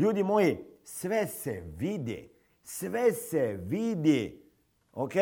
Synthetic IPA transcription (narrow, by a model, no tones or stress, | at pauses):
uːd̪imoːjesʋɛsḛʋid̪ḛ | sʋɛseʋid̪e | oke